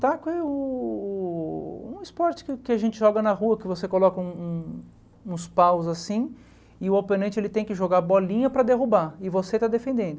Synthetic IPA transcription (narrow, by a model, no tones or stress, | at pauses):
t̪akʊɛʊ | ũɪspɔɾt͡ʃɪ̥kɪkɪaʒẽnt͡ʃɪʒɔɡɐnɐɦuɐkɪvosekolɔkɐũũ | ũspawzasĩ | ɪʊawpenɐ̃nt͡ʃɪelɪt̪ẽj̃kɪʒoɡaɾbɔlĩɲɐpɾɐd̪eɦubaɪvoset̪ad̪efẽnd̪ẽnd̪ʊ